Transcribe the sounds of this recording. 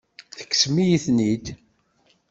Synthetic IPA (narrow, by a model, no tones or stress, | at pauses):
θə̥kːsmijiθnid̪